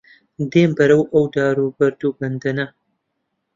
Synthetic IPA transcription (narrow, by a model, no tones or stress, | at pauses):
d̪eːmbɐɾɐwʔɐwd̪aːɾubɐɾd̪ubɐnd̪ɐna